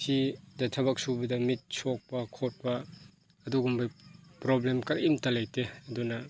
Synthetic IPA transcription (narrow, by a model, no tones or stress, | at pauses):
sidɐtʰɐbɐk̚subɐdɐmit̚sok̚pɐkʰot̚pɐː | duɡumbɐjpɾoblemkɐɾimtɐlɐjteɐdunɐ